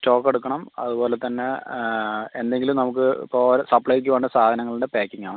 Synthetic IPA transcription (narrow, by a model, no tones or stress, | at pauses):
t͡ɕo̞ːkːe̞ɽukːɐɳɐmɐ̰ðubo̞ːlet̪ɐnːe̞ | e̞nd̪e̞ŋɡilumnɐmuk̬ːɨpoːɾsɐpːɭɐjik̬ʲːuʋe̞ːɳɖɨsaːd̪ʱɐnɐŋːɐɭiɖepeːkːiŋɡːaːɳɨ